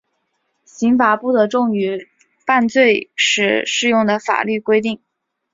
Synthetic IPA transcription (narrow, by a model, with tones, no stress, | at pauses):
ɕi˧˥ŋfa˨˩pu˥˩d̪ə˧˥ʈ͡ʂʊ˥˩ŋy˧˩˥ | fa˥˧nt͡swe˥˩ɪʂɻ̩˧˥ʂɻ̩˥˧jʊ˥˩ŋd̪ə˩fa̰˨˩ly˥˩kwe˥ɪt̪i˥˩ŋ